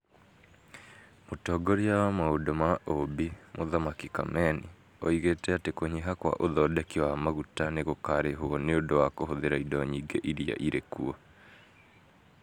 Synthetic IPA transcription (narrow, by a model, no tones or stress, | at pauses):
motɔːɡɔɾiawamaodɔmaʔobimoðamakika̰mɛni | ɔiɣetɛatekoɲiɦakwa̰ʔoðɔdɛkiwamaɣutaneɣokaɾeɦoɔneondowakohoðeɾaidɔɲiɡeʔiɾia̰ʔiɾekuɔ